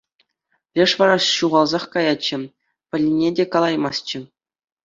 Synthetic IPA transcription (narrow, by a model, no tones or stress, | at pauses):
rʲeʂʋɑɾɑɕuʁɑlˠzɑχkɑjɑt͡ɕːɘ̆ | pʲɘ̆lʲnʲedʲekɑlˠɑjmɑst͡ɕɘ̆